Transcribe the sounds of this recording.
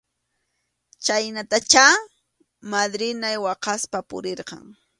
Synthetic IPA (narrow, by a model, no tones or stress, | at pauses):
t͡ʃajnat̪at͡ʃa | mad̪ɾɪnajwɑqɑspapʊ̰ɾeɾqɑ̰ŋ